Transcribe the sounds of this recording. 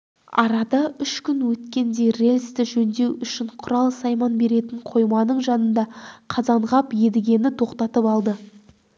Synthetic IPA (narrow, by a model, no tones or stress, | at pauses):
ɑ̰ɾɑd̪ɑʏʃkʲʏnwɵt̪kʲe̞nd̪e̞jre̞lʲst̪ɪʒɵnd̪e̞wʏʃɪɴqʰʊɾɑlˠsɑjmɑnbe̞ɾe̞t̪ɪɴqʰo̞jmɑnəɴʒɑnənd̪ɑqʰɑzɑɴʁɑpje̞d̪ɪɡʲe̞nɪt̪ʰo̞qt̪ɑt̪əpɑlˠd̪ə